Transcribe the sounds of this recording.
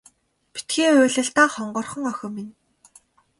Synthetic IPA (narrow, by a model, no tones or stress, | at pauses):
pi̥t̪ɡiːʊːɮə̆ɬt̪aːχɔɴɢɞ̆rχɞ̆ŋœxʲɞ̆min